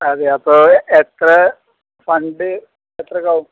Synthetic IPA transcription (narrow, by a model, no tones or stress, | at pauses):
ɐðeɐpːoːet̪rɐ | fɐɳɖɨ | et̪rɐkɐwu